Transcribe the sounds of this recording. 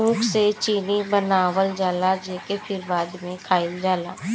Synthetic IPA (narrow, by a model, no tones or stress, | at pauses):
ũːkʰset͡ʃiːnibənaːʋəld͡ʒaːlad͡ʒeːkepʰɪɾbaːd̪mẽkʰaːɪld͡ʒaːlaː